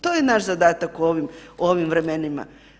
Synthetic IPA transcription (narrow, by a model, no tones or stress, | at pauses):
t̪ojenaʃzad̪aːt̪akuoʋimoʋimvɾemenima̰